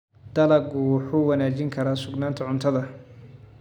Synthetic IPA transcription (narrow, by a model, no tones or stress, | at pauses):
d̪̥ɐlɐɡʊwħuːwɐnaːt͡ʃɪŋkʰɐɾaːsʊɡnaːnt̪ʰɐʕʊnt̪ʰɐðɐ